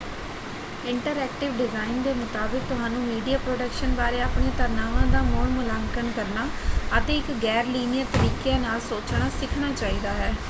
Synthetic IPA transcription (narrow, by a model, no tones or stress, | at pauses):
ɪɳʈəɾɛːk̚ʈɪʋɖɪzaːɪnd̪eːmət̪aːbɪk̚t̪ʊɦaːnũːmiːɖijaːpɾoːɖəkʃənbaːɾeːaːpɳeːt̪əɾnaːʋãːd̪aːmʊɳmʊlaːŋkənkəɾnaːət̪eːɪkɡɛːɾliːnɪjəɾt̪əɾiːkeaːnaːlsoːt͡ʃɽ̃aːsɪkʰnaːt͡ʃaːiːd̪aːɦɛː